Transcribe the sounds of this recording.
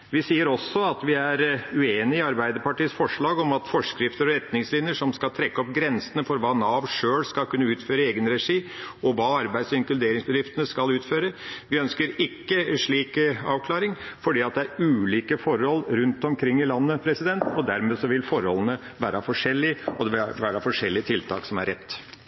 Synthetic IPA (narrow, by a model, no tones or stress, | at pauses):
ʋɪsiːəɾɔsːɔɑt̪ʋɪæɾʉeːnɪɪɑɾbæɪd̪əɾpɑʈiːəsfɔʂɭɑːɡɔmɑt̪fɔʂkɾɪft̪əɾɔɾɛt̪nɪŋslɪnjəʂɔmskɑlt̪ʰɾɛkːəɔp̚ɡɾɛnsənəfɔɾʋɑːnɑːʋʂøːlskɑlkʰʉnːəʉːt̪føːɾəeːɡənɾɛʂiːɔʋɑːɑɾbæɪd̪sɪŋklʉd̪eːɾɪŋsbəd̪ɾɪft̪ənəskɑlʉːt̪føːɾəʋɪœnskəɾɪkːəʂɭiːkɑ̰ːʋkʰlɑːɾɪŋfɔɖiːɑt̪̚d̪ɛæɾʉːliːkəfɔɾɔlːɾʉnt̪ɔmkʰɾɪŋːɪlɑnːəpʰɾɛsɪd̪ɛnt̪ɔd̪æɾmeːsɔʋɪlfɔɾhɔ̰lənə | ʋæːɾəfɔʂɛlːɪɔd̪ɛʋɪʋæːɾɑfɔʂɛlːɪət̪ʰɪlt̪ʰɑ̰ːksɔmæ̰ɾɛt̪ː